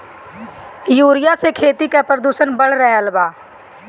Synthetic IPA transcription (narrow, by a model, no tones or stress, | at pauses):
juːɾɪjasekʰeːt̪ikapɾəd̪uːʃənbəɽɾəɦɛəlbaː